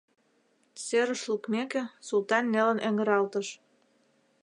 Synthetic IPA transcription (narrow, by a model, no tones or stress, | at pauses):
seɾə̆ʃlukmekĕsult̪ɑnːelə̆nʔeŋɡə̆ɾɑlt̪əʃ